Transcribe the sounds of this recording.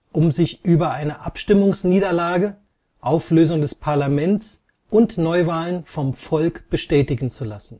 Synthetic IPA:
ʔʊmzɪçʔyːbɐʔaɪnəʔapʃtɪmʊŋsniːdɐlaːɡə | ʔaʊfløːzʊŋdɛspʰaɐlamɛntt͡s | ʔʊntnɔʏvaːlənfɔmfɔlkb̥əʃtɛːtɪɡn̩t͡sulasn̩

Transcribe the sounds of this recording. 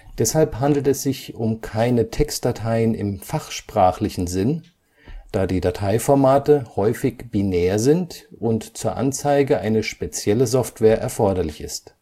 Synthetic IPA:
d̥ɛshalpɦandl̩tɛsz̥ɪçʊmkʰaɪnətʰɛkst̚d̥atʰaɪənɪ̰mfaχʃpʁ̥aːχlɪçn̩zɪn | d̥aːdiːdatʰaɪfɔɐmaːtəhɔʏfɪçb̥inɛːɐzɪntʔʊntt͡suːɐʔa̰nt͡saɪɡəʔaɪnəʃpet͡sjɛləzɔftv̥ɛːɐʔɛɐfɔɐdɐlɪçɪ̰st

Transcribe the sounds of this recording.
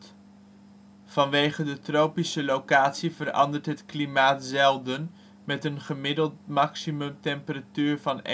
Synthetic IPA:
v̥ɑnʋejχədətrowpisəlowkaːtsivərɑ̰ndəɹtɦətklimaːtzɛlˠdən | mɛtənχəmɪdəlˠt̚mɑksimɵmtɛmpəratyːɹvɑn

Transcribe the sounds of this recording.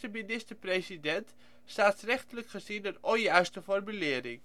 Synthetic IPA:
təminɪstəɹprejsidɛnt | saːsrɛχtələkχəzinənɔjœɥstəfɔrmylɪːəɾɪŋ

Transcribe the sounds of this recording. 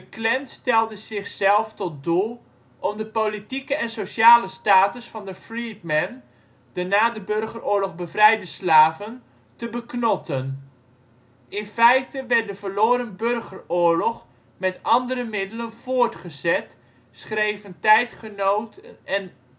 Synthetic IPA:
dəklɛntstɛlˠdəzɪχsɛlˠftɔt̚dulˠ | ʔɔmdəpolitikəɛnsoʃaːləstaːtəsfɑndəfritmɛn | d̥ənaːdəbørχərʔʊːɹlɔχbəvrɛjdəslaːvən | təbəknɔtən | ʔɪnfɛjtəʋɛrt̚dəvəɹloːɾənbørχərʊːɹlɔχ | mɛtɑndəɾəmɪdələnv̥ʊːɹtχəzɛt | sχrejvəntɛjtχənowtəɛn

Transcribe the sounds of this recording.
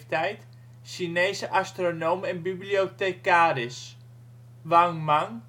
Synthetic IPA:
tɛjt | ʃineːsəʔastronomɛnbibliotekaːɾɪs | ʋaŋmaŋ

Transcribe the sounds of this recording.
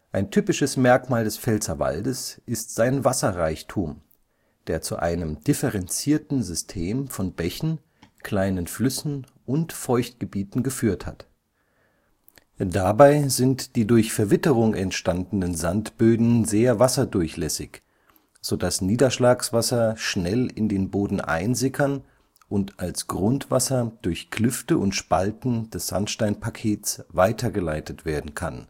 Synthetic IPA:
ʔaɪntʰyːpɪʃəsmɛɐkmaːldɛsfɛlt͡sɐva̰ldəsʔɪstz̥aɪnvasɐʁaɪçtʰuːm | d̥eːɐt͡sṵʔa̰ɪnəmd̥ɪfəʁɛnt͡siːɐtn̩zʏstʰeːmfɔnbɛçn̩ | kʰl̥aɪnənflʏsn̩ | ʔʊntfɔʏçt̚ɡ̥əbiːtn̩ɡəfyːɐtha̰t | dabaɪzɪntd̥iːdʊɐçfɛɐvɪtəʁʊŋʔɛntʃtandn̩ənzantb̥øːdn̩zeːɐvasɐdʊɐçlɛsɪç | z̥oːdasniːdɐʃlaːksv̥asɐʃnɛlɪndeːnboːdn̩ʔa̰ɪnzɪkʰɐn | ʔʊntʔalsɡ̥ʁʊntv̥a̰sɐd̥ʊɐçkʰlʏftəʔʊntʃpa̰ltn̩dɛsz̥a̰ntʃtaɪnpʰakʰeːt͡svaɪtʰɐɡəlaɪtʰətv̥eːɐdn̩kʰa̰n

